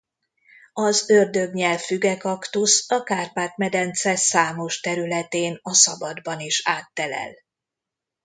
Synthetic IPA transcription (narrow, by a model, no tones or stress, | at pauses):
ɒzørd̪ø̞ɡɲɛlffyɡɛkɒkt̪usɒkaːrpaːt̪mɛd̪ɛnt̪sɛsaːmo̞ʃt̪ɛɾylɛt̪eːnɒsɒbɒd̪bɒniʃaːt̪ːɛlɛ̰l